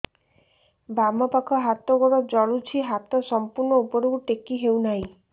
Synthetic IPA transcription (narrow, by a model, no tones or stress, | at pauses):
bamɔpakʰɔɦat̪ɔɡɔɽɔd͡ʒɔɭut͡ʃʰiɦat̪ɔsɔmpuɾnɔupɔɾoɡuʈekiɦewnaɦĩ